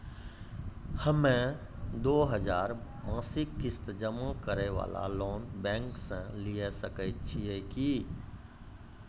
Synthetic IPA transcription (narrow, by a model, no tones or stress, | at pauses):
həmẽ | d̪oːɦəd͡ʒaːɾ | mãːsɪkːɪst̪əd͡ʒəmə̃kəɾɛʋa̰ːla̰loːnbɛ̃ːŋksãliesəkəɪt͡ʃʰieki